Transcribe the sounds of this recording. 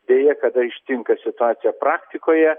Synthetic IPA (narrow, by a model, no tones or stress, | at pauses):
d̪ʲeːjɛkɐd̪ɐɪʃʲt̪ʲɪŋkɐsʲɪt̪ʊɑːt̪sʲɪjɛpɾɑːkt̪ʲɪkoːjɛ